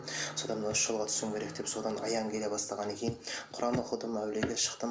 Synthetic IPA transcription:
so̞d̪ɑnmnʏʃʒ̥əlˠʁɑt̪ʰʏ̥sɪmkʲe̞ɾe̞k̚d̪̥e̞pso̞d̪ɑnɑ̰jɑŋkʲʰele̞bɑst̪ɑʁɑnekʲʰe̞jɪnqʰʊɾɑnoqəlˠd̪əmæwle̞ɡʲe̞ʃə̥qt̪əm

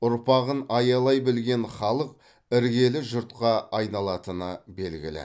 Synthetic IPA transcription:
ʊɾpɑʁənɑjɑlˠɑjbɪlɡʲe̞nχɑlˠəq̚ | ɪɾɡʲe̞lɪʒʊɾt̪qɑɑjnɑlˠɑt̪ənəbe̞lɡʲɪ̰lɪ̰

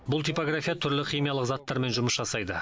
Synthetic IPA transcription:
bʊlˠt̪ʰipoɡrafʲijat̪ʰʏɾlɪχʲijmijɑlˠəqzat̪ːɑɾme̞nʒʊməsʒɑsɑjd̪ə

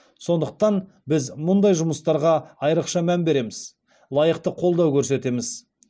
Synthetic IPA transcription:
so̞nd̪əq̚t̪ɑn | bɪzmʊnd̪ɑjʒʊməst̪ɑɾʁɑɑjɾəqʃɑmænbe̞ɾe̞mɪz | lˠɑjəqt̪əqʰo̞lˠd̪ɑwkʲʰɵɾs̬e̞t̪e̞mɪz

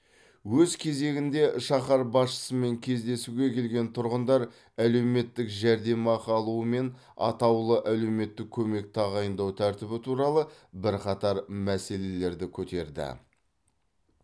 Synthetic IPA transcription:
wɵzkʲʰe̞ze̞ɡʲɪnd̪e̞ʃɑχɑɾbɑsʃə̥səme̞ŋkʲʰe̞zd̪e̞suɡʲe̞kʲʰe̞lɡʲe̞nt̪ʰʊɾʁənd̪ɑɾ | æle̞wme̞t̪ːɪkʒæɾd̪e̞mɑqʰɑlˠuəme̞n | ɑ̰t̪ɑwlˠəʔæle̞wme̞t̪ːɪkʲʰːɵme̞k̚t̪ʰɑʁɑjənd̪ɑwt̪ʰæɾt̪ɪβɪt̪ʰuɾɑlˠəbɪɾqɑt̪ɑɾmæse̞le̞le̞ɾd̪ɪkʲʰɵt̪e̞ɾd̪ɪ̰

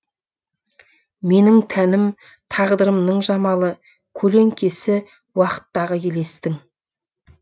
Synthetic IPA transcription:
me̞nɪŋt̪ʰænɪm | t̪ʰɑʁd̪əɾəmnəɴʒɑmɑlˠə | kʲʰɵle̞ŋkʲe̞sɪ | wɑqə̥t̪ːɑʁəjʲʰe̞le̞st̪ɪŋ

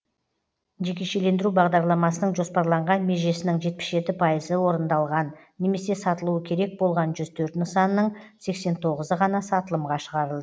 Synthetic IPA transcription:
ʒe̞kʲe̞ʃe̞le̞nd̪ɪɾubɑʁd̪ɑɾlˠɑmɑsənəɴʒo̞spɑɾlˠɑɴʁɑnme̞ʒe̞sɪnɪŋʒe̞t̪̚pɪ̥sʒe̞t̪ɪpʰɑjəzəwo̞ɾənd̪ɑlˠʁɑnː | e̞me̞se̞sɑt̪əlˠuəkʲʰe̞ɾe̞k̚bo̞lˠʁɑnʒʏz̥t̪ʰɵɾt̪ɪnt͡ʃsɑnənəɴse̞kse̞nt̪ʰo̞ʁəzəʁɑnɑsɑt̪əlˠəmʁɑʃəʁɑɾəlˠd̪ə

